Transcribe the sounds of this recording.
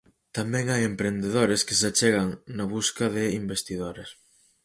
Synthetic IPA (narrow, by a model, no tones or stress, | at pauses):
t̪amɛ̃ŋajempɾend̪eðoɾeskɪs̬at͡ʃeɣɐŋnɐβuskɐðɪimbest̪iðoɾes